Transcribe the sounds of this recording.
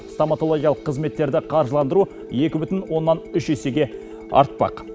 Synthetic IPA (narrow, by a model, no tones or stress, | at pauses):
st̪omat̪o̞lˠo̞ɡʲijɑlˠə̥qʰːəzme̞t̪ːe̞ɾd̪ɪqʰɑɾʒəlˠɑnd̪əɾu | je̞kʲɪbʏt̪ɪnwo̞nːɑnʏʃese̞ɡʲe̞ | ɑ̰ɾt̪̚pɑ̰q